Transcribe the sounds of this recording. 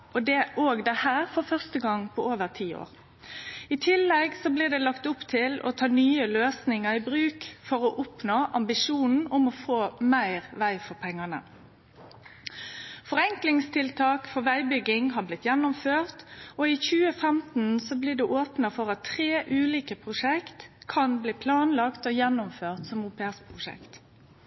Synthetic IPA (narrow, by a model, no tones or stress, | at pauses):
ɔd̪ɛʔoːɡd̪ɛhæːʁfɔɾfœʁst̪əɡɑŋːpʰɔoːʋəʁt̪ʰiːo̰ːʁ | ɪt̪ʰɪlːɛɡsɔbliːd̪ɛlɑkt̪ʊpt̪ʰɪlʔɔ̰t̪ʰɑːnyːəløːsnɪŋəɪbʁʉːkfɔɾɔʔʊpnoːʔɑmbɪʂuːnn̩ʊmɔfoːmæɪʁʋæɪfɔʁpʰɛŋːɑnə̰ | fɔʁɛŋklɪŋst̪ʰɪlt̪ʰɑːkfɔʋæɪbʏɡɪŋɦɑblɪt̪jɛnːʊmføːʁt̪ɔiçʉːəfɛmt̪n̩sɔbliːd̪ɛʔoːpnəfɔʁɑt̪ʰːʁeːʔʉːliːkəpʰʁʊʂɛkt̪kʰɑnbliːpʰlɑːnlɑkt̪ɔjɛnːʊmføːʁt̪sɔmuːpɛæspʰʁʊʂɛ̰kt̪